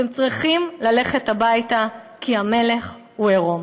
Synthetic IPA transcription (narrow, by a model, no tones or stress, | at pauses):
temt͡sʁiχimlale̞χe̞thabajta | kʰiame̞le̞χ | hueʁo̞m